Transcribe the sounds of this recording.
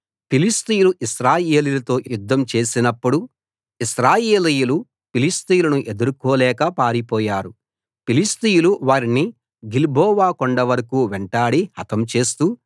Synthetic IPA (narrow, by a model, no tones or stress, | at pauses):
pilist̪ijuluʔisɾaːje̞ːlilɐt̪o̞ːjjud̪ʱːɐmt͡ʃe̞ːsinɐpːuɽu | iʃɾaːje̞ːlijulu | pilist̪ijulɐnuʔe̞d̪uɾukɔːlɛːkɐpaːɾipɔːjaːɾu | pilist̪ijuluʋaːɾini | ɡilbʱɔːʋaːkoɳɖɐʋɐɾɐkuːʋeɳʈaːɽihɐt̪ɐmt͡ʃe̞ːst̪u